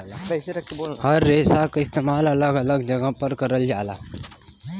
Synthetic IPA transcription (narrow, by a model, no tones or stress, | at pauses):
hɐɾːeːsakaɪst̪eːmaːlɐləɡɐləɡd͡ʒɐɡapɐɾkəɾəld͡ʒaːla̰ː